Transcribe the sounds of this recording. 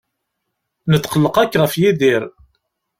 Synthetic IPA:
nət͡s̪ːqəlːəqækːʁəfjiðiɾ

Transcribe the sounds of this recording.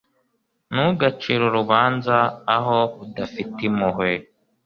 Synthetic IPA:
nuɡat͡ʃiɾoɾuβaːnzaːɦoudafitimuɦwe

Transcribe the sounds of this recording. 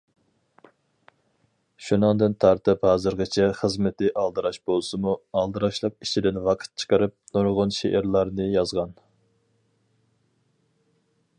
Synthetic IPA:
ʃunɨŋd̪ɨnt̪ʰɑɾt̪ʰɨphɑːzɨɾʁət͡ʃʰɛχəzmɪt̪ɪʔɑlˠd̪ɨɾɑʃbolˠsɨmuɑlˠd̪ɨɾɑʃlˠɑp̚it͡ʃʰid̪ɪnwɑqʰə̥t̪̚t͡ʃʰə̥qʰəɾɨp̚noɾʁʊnʃeʔɪɾlˠɑɾnɨjɑzʁɑn

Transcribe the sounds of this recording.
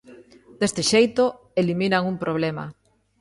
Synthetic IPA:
d̪̥est̪ɪʃejt̪o | eliminaŋumpɾʔoβ̞lema̰

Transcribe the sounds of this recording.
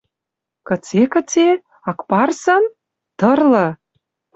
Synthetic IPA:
kɤ̆t͡sekə̆t͡se | ɑkpɑrsɤ̆n | t̪ɤ̆rlɤ̆

